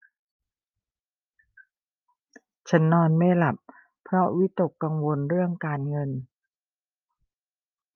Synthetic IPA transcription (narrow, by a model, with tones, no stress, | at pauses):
t͡ɕʰa˦˥nːɔː˧nma˥˩jla˨˩p̚ | pʰɾɔ˦˥wi˦˥t̪o˨˩kːa˧ŋwo˧nɾɯ˥˩əŋkaː˧nŋɤ˧n